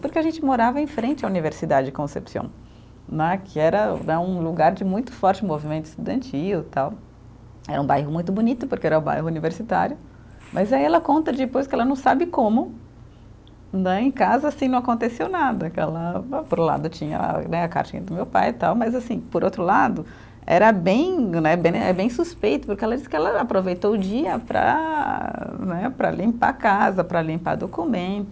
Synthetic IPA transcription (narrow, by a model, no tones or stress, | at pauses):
poɾkɪɐʒẽnt͡ʃɪmoɾavɐẽfɾẽnt͡ʃɪauniveɾsid̪ad͡ʒɪd͡ʒɪkõsḛpsiɐ̰̃w̃ | nɛkʰɪɛɾɐnɛũluɡaɾd͡ʒɪmũj̃t̪ʊ̥fɔɾt͡ʃɪmovimẽnt̪ʊɪ̥st̪ud̪ɐ̃nt͡ʃiwt̪aw | ɛ̰ɾɐũbajɦʊmũj̃t̪ʊbunit̪ʊpoɾkeɛɾɐʊba̰jɦʊuniveɾsit̪a̰ɾjʊ | mʔɐzaiɛlɐkõnt̪ɐd͡ʒɪpojskɪɛlɐnɐ̃w̃sabɪkõmʊ | nɛẽkazɐasĩnɐ̃akõnt̪esewnad̪ɐkɪɛ̰lɐpoɾũla̰d̪ʊt͡ʃĩɲɐ̰nɛaka̰ɾt͡ʃĩɲɐd̪ʊmewpa̰jt̪awmɐzasĩpoɾowt̪ɾʊlad̪ʊ | ɛ̰ɾɐbẽj̃nɛbẽɛ̰bẽj̃suspejt̪ʊ̥pʊɾkeɛlɐd͡ʒisɪ̥kɪɛlɐapɾovejt̪owʊd͡ʒiɐpɾɐ̰ | nɛpɾɐ̰lĩpa̰kazɐpɾɐlĩmpa̰d̪okumẽnt̪ʊ